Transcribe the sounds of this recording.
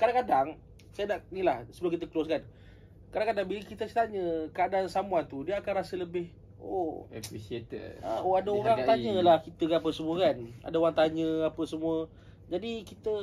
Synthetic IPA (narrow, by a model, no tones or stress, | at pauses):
kadaŋkadaŋ | sajanaʔnilahsəbəlakit̪̬əklɔskan | kadaŋkadaŋbiləkit̪asi̥t̪aɲəkəadansamuant̪udiəakanrasələbɪh | o̰ɛpɾisiet̪ə̰ə̰oadaoɾaŋŋt̪aɲəlahkit̪əkanap̬əsəmuəkana̰daoɾaŋt̪aɲəapəsəmuə | d͡ʒadikit̪ə